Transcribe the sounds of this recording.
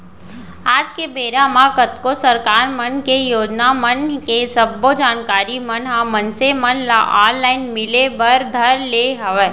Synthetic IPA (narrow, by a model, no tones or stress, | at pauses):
aːd͡ʒkebeːɾãmãkət̪kosəɾkaːɾmənkejoːd͡ʒnamənkesəbːod͡ʒaːnkaːɾimənɦãmənsemənlaʔaːllaːɪnmɪlebəɾd̪ʱɐɾleɦɐʋeː